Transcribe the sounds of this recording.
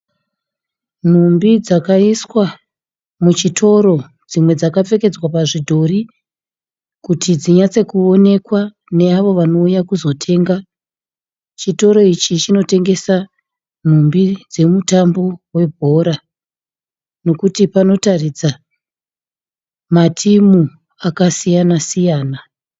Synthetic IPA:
n̤umbid͡zakaiswa | mut͡ʃitʰo̞ɾo̞ | d͡zimwe̞d͡zakap͡fe̞ke̞d͡zwapaʐidʱo̞ri | kutid͡ziɲat͡se̞kuo̞ne̞kwa | ne̞aʋo̞ʋano̞ujakuzo̞tʰe̞ːŋɡa | t͡ʃito̞ɾo̞it͡ʃit͡ʃino̞te̞ŋɡe̞sa | n̤umbid͡ze̞mutambo̞we̞bʱo̞ːɾa | no̞kutipano̞tarid͡za | matʰimu | akasijanasijaːna

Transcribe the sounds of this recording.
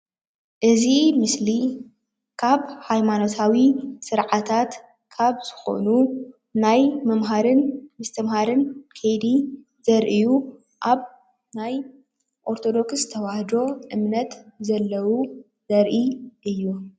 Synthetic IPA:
ʔɨzimɨsli | kʰaβhajmano̞t̪ʰawisɨɾʕat̪ʰat̪ | kʰaβz̥ɨxo̞̰nu | najmɐmɦaɾɨnmɨst̪ʰɐmɦaɾɨnkʰejd̪i | zɐɾʔiju | ʔaβ | naj | ʔo̞ɾt̪ʰo̞d̪o̞kst̪ʰɐwahd̪o̞ʔɨmnɐt̪zɐlːɐwu | zɐɾʔiʔɨjːu

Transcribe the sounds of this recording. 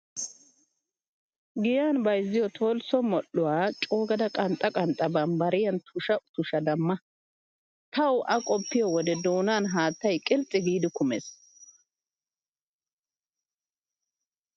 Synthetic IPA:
ɡɪjaːnbɐjzːɪjɔt̪ʰo̞ːlsɔmɔʔːʊwaːt͡ʃʼo̞ːɡɐd̪ɐkʼɐnt̪ʼːɐkʼɐnt̪ʼːɐbɐmbɐɾɪjɐnt̪ʰʊʃɐt̪ʊʃɐd̪ɐmːɐ | t̪ʰɐwʔɐkʼɔpːɪjɔwɔd̪ɛd̪o̞ːnaːnɦaːt̪ːɐjkʼɪlt͡sʼɪɡiːd̪ɪkʊmes

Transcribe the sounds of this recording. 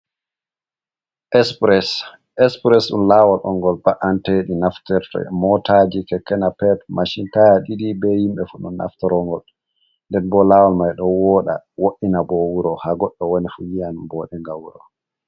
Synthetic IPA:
ʔɛspɾɛs | ʔɛspɾɛsɗṵnlawalʔɔŋɡɔlbaʔanteɗinaftɛɾtɛ̰mɔtad͡ʒikɛkːɛnapɛt̚maʃintajaɗiɗibɛhimbɛfuɗunːa̰ftɛɾɔŋɡɔl | ndɛnbɔlaːwalmajɗɔwɔːɗa̰woʔːinabɔwuɾɔhaɡɔɗːɔwɔnifujianbɔɗɛŋɡawuɾɔ

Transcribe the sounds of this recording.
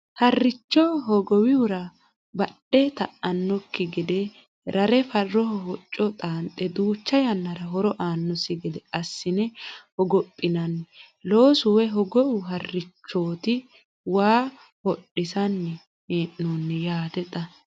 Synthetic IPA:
hɐrːɪt͡ʃːɔɦɔɡɔwɪʊɾɐ | bɐɗɛt̪ɐʔɐnːɔkːɪɡɪd̪ɛ | ɾɐɾɛfɐrːɔhɔhɔt͡ʃʼːɔt̪ʼaːnt̪ʼːɛd̪uːt͡ʃːɐjɐnːɐɾɐɦɔɾɔʔaːnːɔsɪɡɪd̪ɛʔɐsːɪnɛhɔɡɔpʼːɪnɐnː | lo̞ːsʊwɛɦɔɡɔwʊɦɐrːɪt͡ʃːo̞ːt̪ɪ | waː | hɔɗːɪsɐnːɛ | eːʔːonːɛjaːt̪ɛt̪ʼɐ

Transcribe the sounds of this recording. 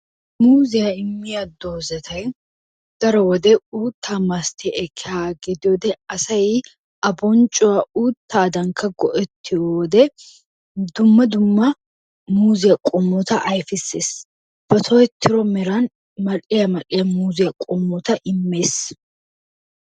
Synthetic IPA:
muːzɪjɐɪmːɪjɐd̪oːzɐt̪ʰɐj | ɡ̪̥ɐɾɐwɔd̪ɛuːt̪ʰːaːmɐst̪ʰɪʔɛkʰːɪhaːɡɪd̪ɪwɔd̪ɛɐsɐji | ʔɐbɔnt͡ʃʼːʊwɐuːt̪ːaːd̪ɐŋkʰɐɡɔʔɛt̪ʰːɪɔd̪ɛ | d̪ʊmːɐd̪ʊmːɐ | muːzɪjɐkʼɔmːɔt̪ɐʔɐjfɪseːs | b̥ɐt̪ʰɔːɛt̪ʰːɪɾɔmɪɾan | mɐlɪjɐmɐlʼɪjɐmuːzɪjɐkʼɔmːɔt̪ɐʔɪmːeːs

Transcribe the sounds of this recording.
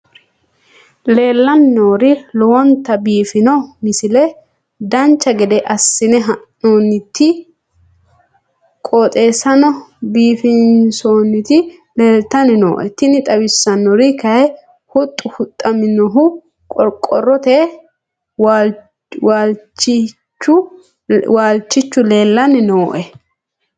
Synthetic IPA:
le̞ːlːɐnːoːɾɪlɔwɐnt̪ːɐbiːfɪnɔmɪsɪlɛ | d̪ɐnt͡ʃːɐɡɛd̪ɛʔɐsːɪnɛɦɐnoːnːɪt̪ːɪ | kʼoːt̪ʼe̞ːsɐnɔbiːfɪnsoːnːɪt̪ɪ | le̞ːlt̪ɐnɪno̰ːʔɛt̪ɪnɪt̪ʼɐwɪsːɐnːɔɾɪkɐjɛ | hʊt̪ʼːʊhʊt̪ʼːɐmɪnɔɦʊ | kʼɔɾkʼːɔrɔt̪e | w | waːlt͡ʃːɪ | t͡ʃːʊ | waːlt͡ʃːɪt͡ʃːʊle̞ːlːɐnɪnoːʔɛ

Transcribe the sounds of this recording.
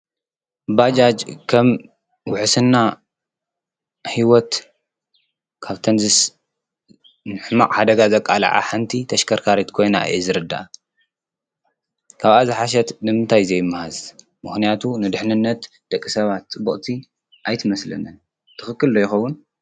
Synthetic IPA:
bad͡ʒad͡ʒkʰɐm | wʊħsɨnːa | hiwɔt̪ | kʰaβt̪ʰɐnzɨs | nɨħma̰ʔʼħad̪ɐɡazɐkʼa̰la̰ʕa̰ħant̪ʰit̪ʰɐʃkʰɐɾkʰaɾit̪kʰo̞jna̰jʔɛ̰zɨɾɨd̪ːa̰ | kʰaβazɨħaʃ̬ɐt̪nɨmɨnt̪ʰajzɐjɪmːahaz | mɨxnijat̪ʰunɨd̪ɨħnɨnːɐt̪ | d̪̥ɐkʼːisɐβat̪̚t͡sʼɨbuχʼt̪ʰi | ʔajt̪ʰɨmɐslɐ̰nɨn | t̪ʰɨxɨkːɨlːojɪxɐwːʊn

